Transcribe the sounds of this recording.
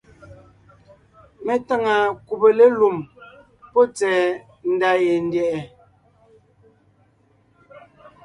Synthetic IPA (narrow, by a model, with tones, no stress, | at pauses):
me˦ta˦ŋa˨ku˨be˨le˦lu˨m | po˦t͡sɛː˨ | n̩˨da˨je˨n˦djɛ˨ɛ˨